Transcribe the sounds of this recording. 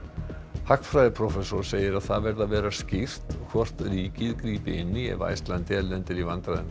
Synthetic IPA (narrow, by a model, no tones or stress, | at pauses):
hakfɾajðɪpʰɾɔfɛsɔɾ̥seːjɪɾaðθaðvɛɾðavɛːɾascɪft̪kʰvɔr̥t̪riːcɪðkɾiːpɪɪnːiɛ̰va̰jst̪lant̪ɪɛllɛnt̪ɪɾivant̪ɾaðɪn